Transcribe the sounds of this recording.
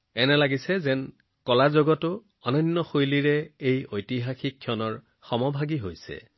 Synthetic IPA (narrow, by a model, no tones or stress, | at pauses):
ɛnɛlaɡisɛzɛn | kɔlazoɡɔtʊ | ɔnɔnːɔxojliɹɛejojtiɦaxikʰːiɔnɔɹ | xɔmɔbʱaɡiɦojsɛ̰